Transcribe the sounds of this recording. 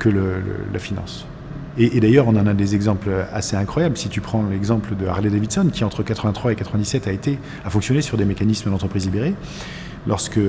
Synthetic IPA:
kələlə̰lʔafinɑ̰̃s | eʔːd̪ajœʁɔ̃nɑ̃nad̪ezɛɡzɑ̃pløaseɛ̃kχwajablsit̪ypχɑ̃lɛɡzɑ̃pləd̪əa̰ʁled̪avid̪sɔnkʲiɑ̃t̪χəkat̪χəvɛ̃t̪χwaekat̪χəvɛ̃d̪isɛt̪aet̪e | afɔ̃ksjɔnesyʁd̪emekanisməd̪ɑ̃t̪χəpχizlibeʁe | lɔʁskə

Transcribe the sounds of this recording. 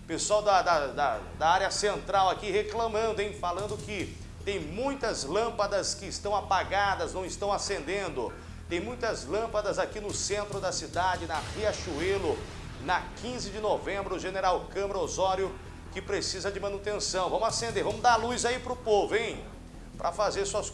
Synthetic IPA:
pesuawd̪ɐd̪ɐd̪ɐ | d̪aaɾjɐsẽnt̪ɾawakiɦeklɐ̃mɐ̃nd̪ʊẽj̃falɐ̃nd̪ʊkɪ | t̪ẽj̃mũj̃t̪ɐzlɐ̃mpɐd̪ɐskɪːst̪ɐ̃w̃apaɡad̪ɐznɐ̃w̃ɪst̪ɐ̃w̃asẽnd̪ẽnd̪ʊ | t̪ẽj̃mũj̃t̪ɐzlɐ̃mpɐd̪ɐzakinʊsẽnt̪ɾʊd̪ɐsid̪ad͡ʒɪnɐʁiaʃuelʊ | nɐkĩzɪd͡ʒɪnovẽmbɾʊʊʒeneɾawkɐ̃mɾɐozɔɾjʊ | kɪpɾesizɐd͡ʒɪmɐ̃nut̪ẽsɐ̃w̃vɐ̃mʊasẽnd̪eɾvɐ̃mʊd̪aɾlujzaipɾʊpovʊẽj̃ | pɾʔɐfazeɾsuɐs

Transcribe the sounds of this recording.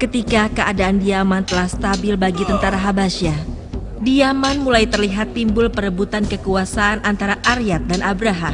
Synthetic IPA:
kət̪ikakəʔadaʔandiamant̪əlahst̪abɪlbaɡit̪ənt̪aɾaɦabaʃa | diamanmulajt̪ərliɦat̪ːimbʊlpəɾəbut̪ankəkuasaʔːnʔant̪aɾaʔaɾiat̪̚danʔabɾaɦam

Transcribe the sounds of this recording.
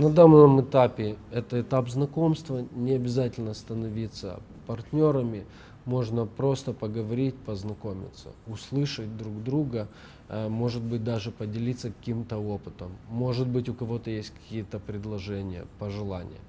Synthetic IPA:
nɐd̪annəmɨt̪apʲɪɛt̪əɪt̪apznɐko̞mst̪vənʲɪɐbʲɪzatʲɪlʲnəst̪ənɐvʲit̪sə̰ | pɐrtʲnʲo̞ɾəmʲɪ | mo̞ʐnəpɾo̞st̪əpəɡəvɐɾʲitʲpəznɐko̞mʲɪ̰t̪sə̰ʊslˠɨʂət̚ʲd̪ɾuɡd̪ɾuɡə | mo̞ʐɨt̪̚bɨt̚ʲd̪aʐɨpədʲɪlʲit̪sːəkɐ̥kʲimt̪əopɨ̥t̪əmːo̞ʐɨt̪̚bɨtʲʊkɐvo̞t̪əjesʲtʲkɐ̥kʲijət̪əpɾʲɪd̪lˠɐʐɛnʲɪjə̰pəʐɨlˠanʲɪ̰jə̰

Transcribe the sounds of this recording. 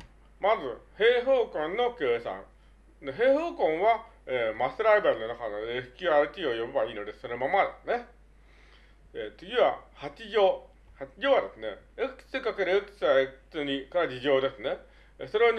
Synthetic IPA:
mazɨhe̞ːɦoːkõ̞nːo̞keːsã̰ŋ | d̪eɦe̞ːhoːkõ̞ɰ̃βa | eːmasɨɾaibaɾʲino̞nakanoesɯ̥kʲɨːaɾɯ̟t̪ʲiːo̞jobebaiːno̞d̪esonomamad̪esɨne̞ | et͡sɨɡʲiβahat͡ɕiʑo̞ː | hat͡ɕiʑo̞ːβad̪e̞sɨne̞eksɨkake̞ɾɯekɯ̥sɨaet͡sɨɲ̟ikaɾad͡ʑiʑo̞ːd̪e̞sɨne̞ | so̞ɾe̞ɲ

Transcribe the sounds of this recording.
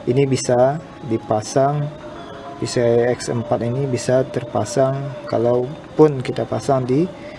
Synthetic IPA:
inibisa | dipasaŋ | bisaɛksə̰mpat̪inibisat̪ərpasaŋka̰lawpʊnkit̪apasaŋdi

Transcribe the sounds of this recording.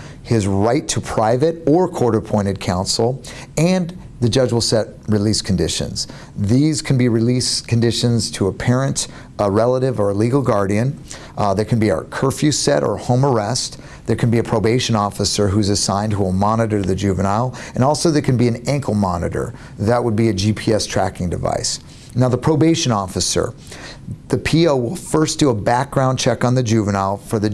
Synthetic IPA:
hɪzɹaɪtʰəpʰɹ̥aɪvɨɾə˞kʰɔɹɾəpʰɔ̃ɪ̃ɾ̃ɨd̚kʰãʊ̃nsl̩ˠ | ɨ̃n | ðɨd͡ʒʌd͡ʒwl̩ˠsɛt̚ɹɨliskʰn̩dɪʃɨ̰̃nz̥ | ðiz̥kʰn̩biɹɨliskʰn̩dɪʃɨ̃nz̥tʰəːpʰɛɹɨ̃nt | ɹɛlˠəɾɪvə˞əliɡl̩ˠɡɑɹɾiɨ̃n | ðə˞kʰɨ̃n̩bḭkʰɜ˞fjʉsɛɾə̰˞hõʊ̃mə˞ɛst̪ | ðə˞kʰɨ̃nbiɨpʰɹ̥oʊbeɪʃɨ̃nɔfəsə˞ɦʉzɨsãɪ̃nd̚huɪlˠmɑnɨɾə˞ðɨd͡ʒʉvɨ̃naɪlˠɨ̃nɔlˠsoʊðə˞kʰɨ̃nbiɨ̃næ̃ŋkʰl̩ˠmɑnɨ̰ɾə̰˞ | ðəʔ̚wəd̚biɨd͡ʒipʰiɛstʰɹ̥ækɪ̃ŋdɨva̰ɪs | naʊðəpʰɹ̥oʊbeɪʃɨ̃nɔfɨsə̰˞ | ðɨpʰioʊwɪlˠfɜ˞sd̥ɨəbæk̚ɡ̥ɹãʊ̃nt͡ʃʰɛkn̩ðɨd͡ʒʉvɨ̃naɪlˠfə˞ðɨ

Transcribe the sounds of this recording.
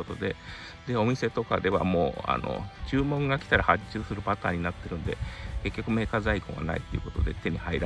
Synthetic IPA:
ot̪o̞d̪e̞ | d̪e̞o̞mʲise̞t̪o̞ka̰d̪e̞βa̰mo̞ːa̰no̞̰t͡ɕɨːmõ̞ŋɡakʲi̥t̪aɾahat͡ɕɨːsɨɾɯ̟pat̪aːɲ̟inat̪ːe̞ɾɯ̟̃nd̪e̞̰ke̞kʲːo̞kɯ̟me̞ːkazaikõ̰ɡa̰na̰it̪ːeiɯ̟ko̞t̪o̞d̪e̞̰t̪e̞ɲ̟ihaiɾa

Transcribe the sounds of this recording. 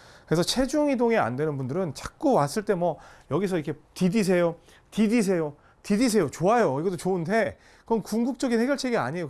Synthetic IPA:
kɯɾe̞sʰʌt͡ɕʰe̞d͡ʑuŋidoŋea̰ndwe̞nɯnbundɯɾɯnt͡ɕḁk̚k͈uwas͈ɯɭt͈e̞mwʌjʌɡisʰʌikʰe̞tidis̬ʰe̞jo | tidis̬ʰe̞jo | tidis̬ʰe̞jot͡ɕoajoiɡʌt͈ot͡ɕoɯndʰe̞ | kɯɾʌnkuŋɡuk̚t͡ɕ͈ʌɡinhe̞ɡjʌɭt͡ɕʰeɡia̰ɲejo

